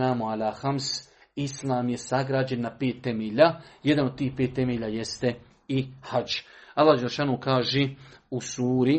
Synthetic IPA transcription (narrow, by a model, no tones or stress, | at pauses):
aːmoalaːxamsislˠaːmje̞saɡɾaːd͡ʑe̞nːapeːt̪ːemeːʎaːjed̪anod̪̚t̪iːhpeːt̪ːe̞meːʎaːjest̪e̞ | ihad͡ʒalːaːhd͡ʒeleʃaːnoːkaːʒeːusuːɾi